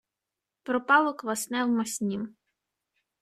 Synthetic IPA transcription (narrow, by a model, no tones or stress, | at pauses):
pɾɔpɑlˠɔkʋɐsnɛwmɐsʲnʲim